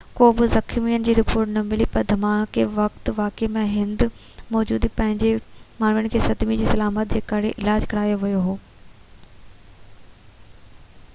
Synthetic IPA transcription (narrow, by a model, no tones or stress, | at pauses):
koːbɪzɐkʰmijənɪ̆d͡ʑiːɾɪpoːɾʈnɐmɪlipɐɾd̪ʱɐmãːkʰeʋɐk̚t̪ʋaːkemẽɦɪ̃nd̪ | mɔːd͡ʑuːd̪ipɐ̃ɦɪ̃ɲd͡ʑemaːnjəɽ̃ɪ̆kʰeːsɐd̪mid͡ʑiːsɐlaːmət̪̚d͡ʑeːkɐɽeʔɪlaːd͡ʑkɐɾaːjoʋɐjoɦoː